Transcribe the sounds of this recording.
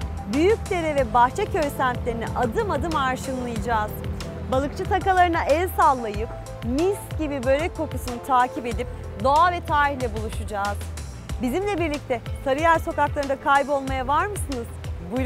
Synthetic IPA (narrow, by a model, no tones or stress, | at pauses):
byjyc̚ʲd̪e̞ɾɛvɛbaht͡ʃʰɛcʰø̞jsænt̪lʲe̞ɾinɛ̰ʔad̪ɯmad̪ɯmaɾʃɯnlˠɯjɯd͡ʒaːz̥ | balˠɯkt͡ʃʰɯt̪ʰakalˠaɾɯnaʔɛzʲsalˠːajɯp̚ | misɟibibø̞ɾɛkʰːo̞kusunut̪ʰaːcʰipe̞d̪ip̚ | d̪o̞avɛt̪ʰaːɾihlʲɛbulˠuʃud͡ʒaːz̥ | bizimlʲɛbiɾlʲic̚t̪ʰɛsʰaɾɯjaɾso̞kaklˠaɾɯnd̪akʰajbo̞lˠmajavaɾmɯsɯnɯz̥buj